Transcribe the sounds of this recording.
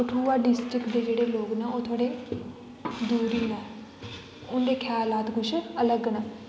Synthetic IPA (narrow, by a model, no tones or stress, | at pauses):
ʊʈʰuːaːɖɪsʈɾɪkd̪eːd͡ʒeːɽeːloːɡnaːoːt̪ʰoːɽeː | d̪uːɾiːnaː | ʊnd̪eːkʰjaːlaːt̪ɡʊʃələɡnaː